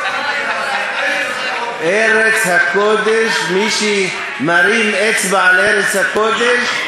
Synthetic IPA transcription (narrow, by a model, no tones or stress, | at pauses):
eɾet͡sɐkod̪eʃmiʃi | mɐɾimet͡sbaːleɾet͡sɐkoːd̪eʃ